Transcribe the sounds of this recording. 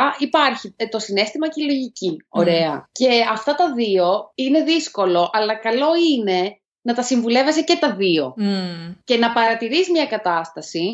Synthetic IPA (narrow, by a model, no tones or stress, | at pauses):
ipɐɾçit̪o̞sine̞st̪imɐcilo̞ʝicio̞ɾe̞ɐce̞ɐft̪ɐt̪ɐðio̞ine̞ðisko̞lo̞ʔɐlɐkɐlo̞ine̞ | nɐt̪ɐsiɱvule̞vesece̞t̪ɐðio̞̰ | ce̞nɐpɐɾɐt̪iɾizmɲɐkɐt̪ɐst̪ɐsi